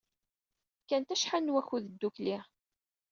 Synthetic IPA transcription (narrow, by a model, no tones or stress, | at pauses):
kːænt̪æʃħanːwæçuðəd̪ːukli